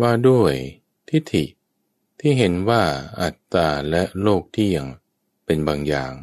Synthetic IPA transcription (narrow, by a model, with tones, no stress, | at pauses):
waː˥˩du˥˩əj | t̪ʰi˦˥t̪ʰi˨˩ | t̪ʰiː˥˩ɦe˩˦nwaː˥˩ʔa˨˩t̪̚t͡ɕaː˧lɛ˦˥ʔloː˥˩k̚t̪ʰiː˥˩ja˨˩ŋ | pe˧nbaː˧ŋjaː˨˩ŋ